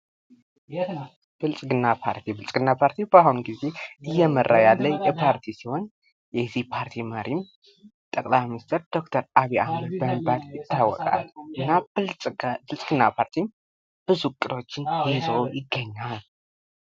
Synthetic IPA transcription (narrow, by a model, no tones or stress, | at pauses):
b̥ɨlsʼɡɨnːapʰa̰ɾt̪ʰibɨlsʼɡɨnːapʰaɾt̪ʰibahunɡize̞ʔɨjːɛmərʔajalːəjɛpʰaɾt̪ʰisiho̞n | jɛzihpʰaɾt̪ʰiməɾim | t̪ʼəkʼlajminist̪ʰeɾd̪̥o̞kt̪ʰəɾaβiahməd̪̚bəmibad̪jɪt̪ːawːɔ̰kʼa̰lʔɨnːa | bɨlsʼɡ̥ɨnːapʰaɾt̪ʰin | b̥ɨzukʼɨd̪o̞t͡ʃːɪnhizowjɪɡːəɲːal